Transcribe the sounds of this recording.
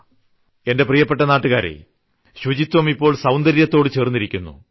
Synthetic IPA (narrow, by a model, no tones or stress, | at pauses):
e̞nde̞prijɐpːe̞ʈ̬ːɐnaːʈːuɣaːɾḛ | ɕud͡ʑit̪wɐmipːo̞ːɭsɐwnd̪ɐɾjɐt̪ːo̞ːɽɨt͡ɕe̞ːrnːiɾikʲːunːṵ